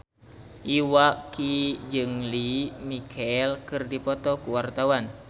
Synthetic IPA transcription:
ʔiwakid͡ʒɨŋlimikʰɛlkɨrdipɔt̪ɔkuwart̪awan

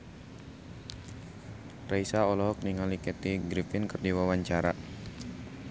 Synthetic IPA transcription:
raisaɔlɔɦɔk̚niŋalikɛt̪iɡɾifɪnkɨrdiwawaɲt͡ʃaɾa̰

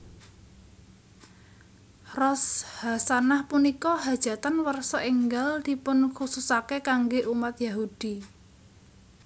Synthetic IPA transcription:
rɔshasanahpunikɔɦad̥ʒ̥ä̤t̪anwərsɔʔɪŋɡald̪̥i̤pʊnkususakekaŋɡeʔumat̪jaɦud̪̥i

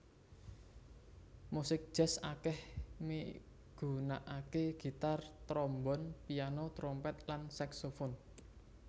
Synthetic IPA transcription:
musɪk̚d̥ʒ̥ɛ̤sakɛhmi | ɡ̥ṳnaʔakeɡ̥i̤t̪art̪ɾɔmbɔnpijanot̪ɾɔmpɛt̪lansaksofon

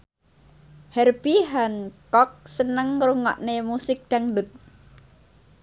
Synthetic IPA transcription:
hɛrb̥iɦankɔk̚sənəŋɾuŋɔ̰ʔnemusɪk̚d̪̥aŋdʊt̪̚

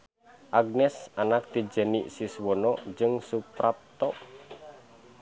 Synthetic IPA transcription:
ʔaɡ̚nɛsanak̚t̪id͡ʒəniʔsiswɔnɔd͡ʒɨŋsupɾap̚t̪ɔʔ

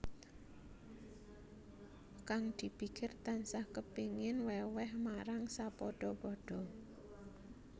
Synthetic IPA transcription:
kaŋd̪̥i̤b̥i̤kɪrt̪ansahkəpiŋɪnwɛwɛhmaɾaŋsapɔɖ̥ɔpɔɖ̥ɔ̤

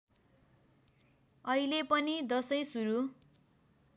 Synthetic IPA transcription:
ʌilepʌnid̪ʌsʌjsuɾu

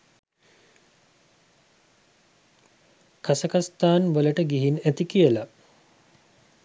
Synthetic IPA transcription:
kasəkast̪aːnʋələʈəɡiɦinæt̪ikijəla

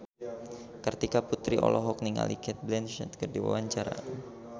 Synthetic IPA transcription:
kərt̪ikaput̪ɾiɔ̰lɔɦɔk̚niŋa̰likɛt̪̚blɛnʃɛt̪kərdiwa̰waɲt͡ʃaɾa̰n

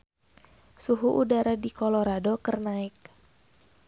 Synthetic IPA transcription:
suɦuʔudaɾadikɔloɾadokərnaɪk̚

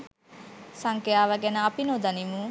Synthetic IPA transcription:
saŋkejaːʋɐɡenəɐpinod̪ɐnimu

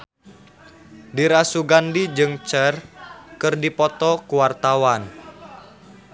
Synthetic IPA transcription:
diɾasuɡandid͡ʒɨŋt͡ʃərkɨrdipɔt̪ɔkuwart̪awan

